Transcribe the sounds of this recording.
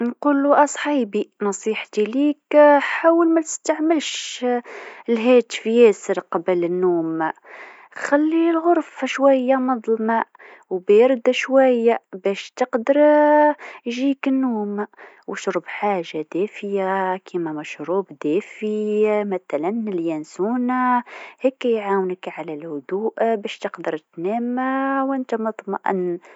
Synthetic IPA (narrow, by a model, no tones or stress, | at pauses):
nquːluʔɑsˤħiːbinɑsˤiːħt̪iliːkħaːwəlmæt̪ɪ̥st̪aʕmɪlʃ | lɦɛːt̪fjɛːsəɾqɑbəlɪnːuːm | xælːilɣʊɾˤfʃwæjːamɑd̪ˤlma | wbæjɪɾˤd̪aʃwæjːabɛːʃt̪ɪqd̪əɾ | ʒiːkɪnːuːm | wəʃɾuːbħaːʒːad̪æːfɪjakʰimamæʃɾuːbd̪æːfimæθalænɪljænsuːnahɛkːæjʕaːwnəkʕalælhʊd̪uːʔbɛʃt̪əqd̪əɾˤt̪næːmawɪnt̪amɑt̪ˤmɑ̰ʔn